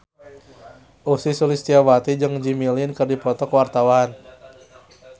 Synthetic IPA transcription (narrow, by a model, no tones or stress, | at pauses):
ʔusisulist̪iawat̪id͡ʒɨŋd͡ʒimilinkərdipɔt̪ɔkwart̪awan